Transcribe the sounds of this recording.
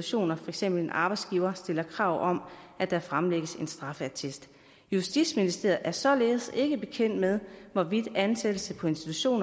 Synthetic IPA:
uɕo̝̰ːnɐfɒ̽eɡ̥sem̰b̥l̩enʔɑ̈ːb̥ɑ̈ɪ̥sɡ̥iːʊɐsd̥e̝lɐkʰʁɑ̈ʊ̰ʔɒ̽mʔæd̥ɑfʁɑ̈mleɡ̥əse̝nsd̥ʁɑ̈fəæt͡sʰe̝sd̥ | jusd̥idsminisd̥e̝ɐð̩ˠʔæɐsɒ̽le̝ːð̩ˠse̝ɡ̥əb̥e̝kʰen̰d̥með̞ˠʋɒʋid̥ænsed̥əsəpʰɒ̽e̝nsd̥i̥t͡sʰuɕo̝̰ːnɐ

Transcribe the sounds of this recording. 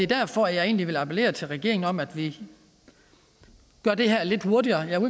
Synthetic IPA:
e̝d̥æɐ̰fɒæjɑ̈ɪe̝̰ːnliʋe̝lɑ̈pʰele̝̰ːɐt͡sʰe̝lʁɛɡ̥e̝̰ɐeŋn̩ɒ̽m̰æd̥ʋi | ɡ̥ɶɐd̥e̝ɦæɐ̰le̝d̥ho̝ɐdiɐːjæu

